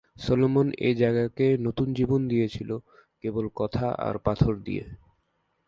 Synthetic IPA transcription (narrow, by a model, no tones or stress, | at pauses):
solomonḛd͡ʑaeɡakenot̪und͡ʑibond̪ijet͡ɕʰilo | kebolkɔt̪ʰaʔa̰ɾpat̪ʰoɾd̪ḭjḛ